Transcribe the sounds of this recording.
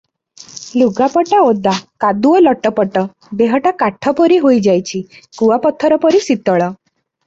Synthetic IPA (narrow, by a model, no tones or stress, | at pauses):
luɡapɔʈaod̪akad̪uɔlɔʈɔpɔʈɔ | beɦɔʈakaʈʰɔpɔɾiɦojd͡ʒajt͡ʃʰikuwapɔt̪ʰːɔɾɔpɔɾisit̪ɔɭɔ